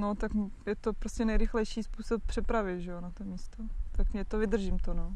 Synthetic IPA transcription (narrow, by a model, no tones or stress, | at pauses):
not̪ak | jɛt̪o̞pɾo̞scʲɛnɛjɾɪxlɛjʃiːspuːsop̚pr̥ɛpɾavɪʒɛjonat̪omiːst̪ot̪akmɛt̪ovɪd̪r̩ʒimt̪ono